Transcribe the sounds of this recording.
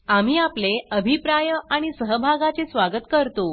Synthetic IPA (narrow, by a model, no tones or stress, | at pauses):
am̤iːapleəbʱipɾajəaɽ̃isəɦəbʱaɡat͡sesʋaɡət̪kəɾt̪o